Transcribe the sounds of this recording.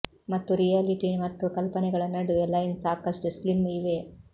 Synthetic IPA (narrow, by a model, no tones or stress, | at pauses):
mɐt̪ːuɾijaːliʈimɐt̪ːukɐlpɐnɛɡɐɭɐnːɐɽuɛlːɐjinsaːkɐʂʈuslimiʋeː